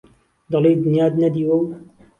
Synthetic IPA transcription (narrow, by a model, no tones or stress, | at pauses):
d̪ɑlejd̪ɪnjaːd̪nɐd̪iwɐw